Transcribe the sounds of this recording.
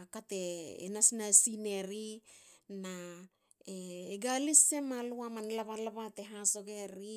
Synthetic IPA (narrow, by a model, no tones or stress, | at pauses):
kate̞ḛnasnasine̞ɾina | eːɡalise̞maluamanlaβalaβate̞ɦaso̞ɡe̞ɾi